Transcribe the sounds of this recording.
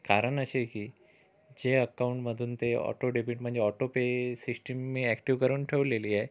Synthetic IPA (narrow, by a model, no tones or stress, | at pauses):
kaːɾənɐʃeki | d͡ʒeəkaʊɳʈmɐd̪ʱunt̪eɔ̰ːʈoɖibiːʈm̤ə̃ɳd͡ʒeɔːʈopesɪsʈəmːẽɛkʈiʋkəɾunʈʰeuleːliɛː